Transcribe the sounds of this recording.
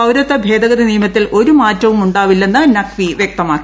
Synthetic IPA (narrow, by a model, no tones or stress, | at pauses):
ɐwɾɐt̪ːɐbʱe̞ːd̪ɐɣɐd̪iniːmɐt̪ːilʔo̞ɾumaːtːɐʋumuɳɖaːʋilːe̞nːɨnɐkʋiʋjek̚t̪ɐmaːkːi